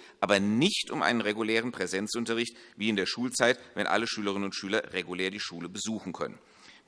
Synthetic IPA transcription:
ʔʔaːbɐnɪçtʊ̰mʔa̰ɪnənʁeɡulɛːʁ̞ənpʁ̥ɛzɛnt͡sʔʊntɐʁɪçtviːɪndeːɐʃuːlt͡saɪtvɛnʔa̰ləʃyːləʁɪnənʊntʃyːlɐʁeɡuleːɐdiːʃuːləbəzuːxn̩kʰœ̰nə̰n

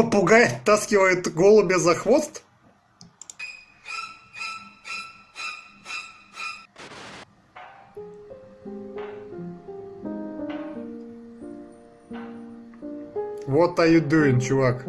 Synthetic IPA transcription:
əpʊɡajɪt̪ːaskʲɪvəjɪt̪ɡolˠʊbʲɪzɐxvost̪ | vot̪ajɪd̪ujɪnt͡ɕʊvak

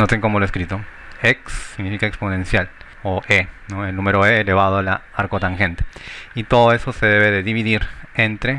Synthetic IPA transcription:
not̪eŋko̞moloeskɾit̪o | eksːiɣnifikaekspone̞nsjal | oʔenoelnũme̞ɾoeːle̞βað̞oalaaɾkot̪aŋxe̞nt̪eit̪o̞ðoe̞so̞se̞ðe̞βe̞ðeðiβiðiɾent̪ɾe

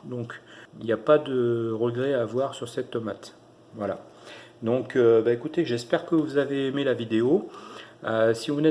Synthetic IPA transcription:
d̪ɔ̃kiljapad̪əʁəɡʁɛavwaʁsyʁsɛt̪ːɔmat̪ | vwala̰ | d̪ɔ̃kʰøbaekut̪eʒɛspɛʁkəvuzaveːmelavid̪eo | øsivunɛ

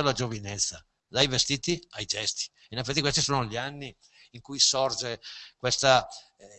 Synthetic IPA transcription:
alːad͡ʒovinɛt̪sːa | lajvest̪iːt̪iajd͡ʒɛst̪i̥ | inefːɛt̪ːikwest̪isoːnoʎianːi | iŋkujsɔrd͡ʒekwest̪a

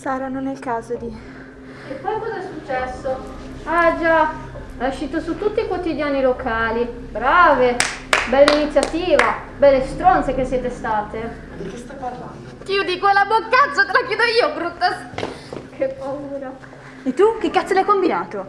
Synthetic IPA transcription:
saːɾanonɛilkaːzod̪i | epːɔjkːɔːzaɛsːut͡ʃːɛsːo | ad͡ʒa | aaʃːiːt̪osut̪ːut̪ːiːkwot̪id̪jaːnilokʰaːli | bɾaːvebɛlːainit̪sːjat̪iːva | bɛlːest̪ɾɔnt̪sek̟esːjɛːt̪est̪aːt̪e | kest̪ɔparland̪ok̪iod̪ikwelːabokːat̪sat̪elakjɛːd̪oiːoɡɾut̪ːa | kʰepːauːɾa | et̪ːuk̟ekːat̪selajkombinaːt̪o

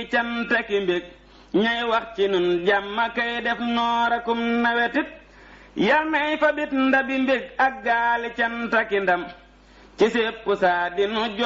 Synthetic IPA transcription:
t͡ʃantakimbeɡ̚ | ɲajwakt͡ʃinunɟamːakajdɛfnɔːɾakumnawetit̚ | jalmajfabitndabimbek̚aɡalit͡ʃantakindɐm | t͡ʃisepːusadinuɟ

